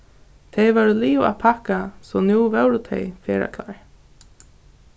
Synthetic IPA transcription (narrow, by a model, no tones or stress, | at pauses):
t̪ʰɛɪʋɛɾuliːʊa̰pʰakasɔnjuːʋɛwɾʊt̪ʰɛ̰ɪfɛːɾa̰kʰlaːɹ